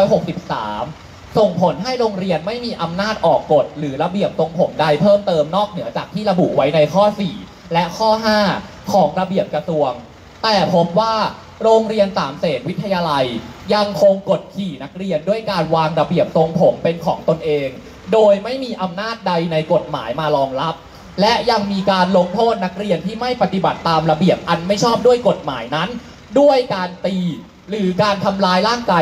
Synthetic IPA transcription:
jɦo˨˩k̚si˨˩p̚sa̰ː˩˦m | so˨˩ŋpʰo˩˦nɦa˥˩jɾoː˧ŋɾi˧ənma˥˩jmiː˧ʔa˧mnaː˥˩t̪̚ʔɔː˨˩kːo˨˩t̪̚ɾɯː˩˦ɾa˧bi˨˩əp̚so˧ŋpʰo˩˦mda˥˩jpʰɤː˥˩mt̪ɤː˧mnɔː˥˩k̚nɯ˩˦ɐt͡ɕaː˨˩k̪̚ʰiː˥˩ɾa˧bṵ˨˩ʔwa˦˥jna˧jkʰɔː˥˩siː˨˩ | lɛ˦˥ʔkʰɔː˥˩ɦaː˥˩ | kʰɔː˩˦ŋɾa˧bi˨˩əp̚kɾa˧su˧əŋ | t̪ɛː˨˩pʰo˦˥p̚waː˥˩ | ɾoː˧ŋɾi˧ənsaː˩˦mseː˨˩t̪̚wi˦˥t̪ʰːa˧jaː˧la˧jja˧ŋkʰo˧ŋko˨˩t̪̚kʰiː˨˩na˦˥k̚ɾi˧əndu˥˩əjkaː˧nwaː˧ŋɾa˧bi˨˩əp̚so˧ŋpʰo˩˦mpe˧nkʰɔ̰ː˩˦ŋt̪o˧nʔeː˧ŋ | doː˧jma˥˩jmiː˧ʔa˧mnaː˥˩t̪̚da˧jna˧jko˨˩t̪̚ma̰ː˩˦jmaː˧lɔː˧ŋɾa˦˥p̚ | lɛ˦˥ʔja˧ŋmiː˧kaː˧nlo˧ŋt̪ʰoː˥˩t̪̚na˦˥k̚ɾi˧ənt̪ʰiː˥˩ma˥˩jpa˧t̪i˨˩ba˨˩t̪ːaː˧mɾa˧bi˨˩əp̚ʔa˧nma˥˩jt͡ɕʰɔː˥˩p̚du˥˩əjko˨˩t̪̚maː˩˦jna˦˥n | du˥˩əjkaː˧nt̪iː˧ | ɾɯː˩˦kaː˧nt̪ʰa˧mlaː˧jlaː˥˩ŋkaː˧

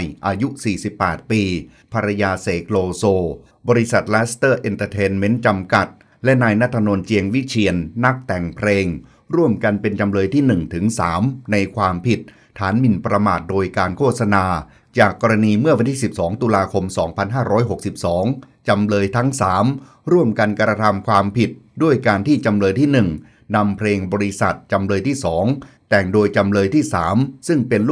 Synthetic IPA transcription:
jʔaː˧ju˦˥siː˨˩si˨˩pːɛː˨˩t̪̚piː˧ | pʰa˧ɾa˧jaː˧se˩˦kʰloː˧soː˧ | bɔː˧ɾi˦˥sa˨˩t̪̚lɛː˦˥st̪ɤː˥˩ʔe˧nt̪əː˧t̪ʰeː˦˧˥nme˦˥nt͡ɕa˧mka˨˩t̪̚ | lɛ˦˥naː˧jna˦˥t̪ʰːa˧no˧nt͡ɕi˧əŋwi˦˥t͡ɕʰi˧ənːa˦˥k̚t̪ɛ˨˩ŋpʰɾeː˧ŋ | ɾu˥˩əmka˧npe˧nt͡ɕa˧mlɤː˧jt̪ʰiː˥˩nɯ˨˩ŋt̪ʰɯ˩˦ŋsaː˩˦mna˧jkʰwaː˧mpʰi˨˩t̪̚ʰːaː˩˦nmi˧˩npɾa˧maː˨˩t̪̚doː˧jkaː˧nkʰo˥˩t̪̚sa˧naː˧ | t͡ɕaː˨˩kːɔː˧ɾa˧niː˧mɯ˥˩wa˧nt̪iː˥˩si˨˩p̚sɔː˩˦ŋt̪uː˧laː˧kʰo˧msɔː˩˦ŋpʰa˧nɦaː˥˩ɾʔɔː˦˥jɦo˨˩k̚si˨˩p̚sɔː˩˦ŋ | t͡ɕa˧mlɤː˧jt̪ʰa˦˥ŋsaː˩˦m | ɾu˥˩əmka˧nkɾa˧t̪ʰa˧mkʰwaː˧mpʰi˨˩t̪̚du˥˩əjkaː˧nt̪ʰiː˥˩t͡ɕa˧mlɤː˧jt̪ʰiː˥˩nɯ˨˩ŋ | na˧mpʰleː˧ŋbɔː˧ɾi˦˥sa̰˨˩t̪̚t͡ɕa˧mlɤː˧jt̪ʰiː˥˩sɔː˩˦ŋt̪ɛ˨˩ŋdoː˧jt͡ɕa˧mlɤː˧jt̪ʰiː˥˩saː˩˦msɯ˥˩ŋpe˧n˥

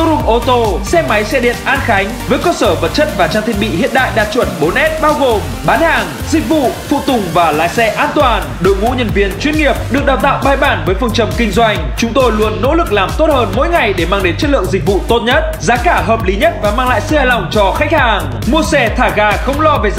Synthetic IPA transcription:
ɾʊ˧˩mʔo˧t̪o˧sɛ˧ma˨˦jsɛ˧ɗḭ˧˨ənʔaː˧nxa˨˦jŋ̟vəː˨˦jkəː˧səː˧˩və˨˩t̚t͡ɕə˦˥t̚vaː˨˩t͡ɕaː˧ŋt̪ʰi˧ə˩ɓḭ˧˨hḭ˧˨ənɗa̰ː˧˨jɗaː˨˩t̚t͡ɕwə˧˩nɓo˨˦nʔɛ˦˥t̚ɓaː˧wɣo˨˩m | ɓaː˨˦nhaː˨˩ŋ | zï˨˩k̟̚vṵ˧˨fṵ˧˨t̪ʊ˨˩ŋ͡mvaː˨˩la̰ː˨jsɛ˧ʔaː˧nt̪waː˨˩n | ɗo̰˧˨˩jmṵ˧˥ɲə˨˩nvi˨ənt͡ɕwi˧ənŋi˨˩əp̚ɗɨ˨˩ək̚ɗaː˨˩wt̪a̰ː˧˨wɓaː˧jɓaː˧˩nvəː˨˦jfə˧ŋt͡ɕə˨˧˩mkï˧ŋ̟zwa˧jŋ̟t͡ɕʊ˨˦ŋ͡mt̪o˧jlu˧ənːo̰˧˥lɨ˨˩k̚laː˨˩mt̪o˦˥t̚həː˧nmo̰˧˥jŋa˨˩jɗe˧˩maː˧ŋɗe˨˦nt͡ɕə˦˥t̚lɨ̰˧˨əŋzï˨k̚vṵ˧˨t̪o˦˥t̚ɲə˦˥t̚zaː˨˦kaː˧˩ɦəː˨˩p̚li˨˦ɲə˦˥t̚vaː˨˩maː˧ŋla̰ː˧˨jsɨ̰˧haː˨˧˩jla˨˩wŋ͡mt͡ɕɔ˧xa˦˥k̚haː˨˩ŋ | mu˧əsɛ˧t̪ʰaː˧˩ɣaː˧xə˧wŋ͡mlɔ˧ve˨˩

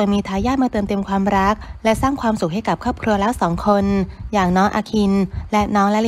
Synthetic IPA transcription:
ənmiː˧t̪ʰaː˧˥jaː˥˩maː˧t̪ɤː˧mt̪e˧mkʰwaː˧mɾa˦˥k̚lɛ˦˥saː˥˩ŋkʰwaː˧msu˨˩k̚ɦha˥˩jka˨˩p̚kʰɔː˥˩p̚kʰɾu˧ɐlɛː˦˥wsɔː˩˦ŋkʰo˧njaː˨˩ŋnɔː˦˥ŋʔa̰ː˧kʰi˧nlɛ˦˥nɔː˦˥ŋlɛ˦˥l

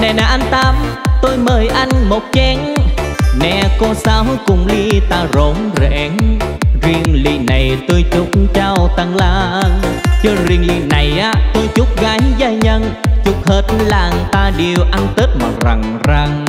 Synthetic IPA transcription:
nɛ˨˩naː˨˩ʔa˧n̟t̪aː˧mt̪o˧jməː˨˩jʔa˧jŋ̟mo˨˩t̚t͡ɕɛ˧˦ŋ | nɛ˧˩kɔ˧saː˧wkʊ̰˨˩ŋ͡mli˧t̪aː˧zo˨˦nzɛ̰˧˦ŋzi˧əŋlḭ˧˩na˨˩jt̪o˧jt͡ɕʊ˦˥k͡p̚t͡ɕaː˧wt̪a˧˩ŋlaː˧ | t͡ɕə˧zi˧˩əŋli˧˩na˨˩jʔaː˨˦t̪o˧jt͡ɕʊ˦˥k͡p̚ɣaː˨˦jzaː˧˩jɲə˧nt͡ɕʊ˨˦˥k͡p̚həː˨˩t̚laː˨˩ŋt̪aː˧ɗi˨˩əwʔa˧ŋt̪ə˦˥t̚maː˨˩za˨˩ŋ | za˧ŋ

